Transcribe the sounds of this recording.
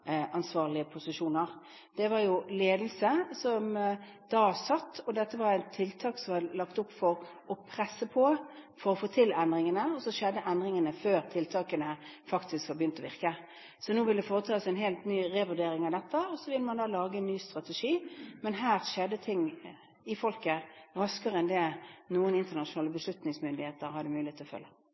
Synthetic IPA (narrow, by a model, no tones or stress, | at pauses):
ʔɑnsʋɑːʁɭɪəpʰʊsɪʂuːnəʁ | d̪̥ɛʋɑɾjʊleːd̪l̩səsɔm | d̪̥ɑːsɑt̪ːɔd̪ɛt̪ːəʋɑɾæɪnt̪ʰːɪlt̪ʰɑːksɔmɑlɑkt̪ʊpːfɔɾ | ɔpʰɾɛsːəpʰɔfɔɾɔfoːt̪ʰɪlɛnd̪ɾɪŋənəɔsɔʃɛd̪ːəʔɛnd̪ɾɪŋənəføːɾt̪ʰɪlt̪ʰɑːkənəfɑkt̪ɪskʋɑbəjʏnt̪ɔʋɪʁkə | sɔnuːʋɪld̪ɛfoːɾət̪ʰɑːsɛnɦeːlt̪nyːʁeʋʉd̪eːɾɪŋɑʋd̪ɛt̪ːəɔsɔʋɪləmɑnd̪ɑːlɑːɡəɛnːyːst̪ɾɑt̪ɛʂiːmɛnɦæːʁʂɛd̪ət̪ʰɪŋ | ɪfɔlkəʁɑskəʁəɛnd̪ɛnuːənɪnt̪ənɑʂʊnɑːləbəslʉt̪nɪŋsmʏnd̪ɪheːt̪əɾhɑd̪ːəmʉːlɪeːt̪ʰɪlɔfœ̰lːə